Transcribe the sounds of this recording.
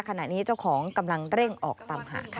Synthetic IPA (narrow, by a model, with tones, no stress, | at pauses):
kʰa˧na˨˩niː˦˥t͡ɕa˥˩wkʰɔː˩˦ŋka˧mla˧ŋɾe˥˩ŋʔɔː˨˩k̚t̪aː˧mɦa̰ː˩˦kʰ